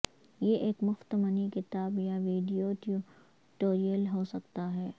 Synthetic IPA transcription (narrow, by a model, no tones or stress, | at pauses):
jeʔeːkmʊxt̪əmənikɪt̪aːbjaʋiːɖijoʈu | ʈoːɾijəlɦoːsɐkt̪aɦɛː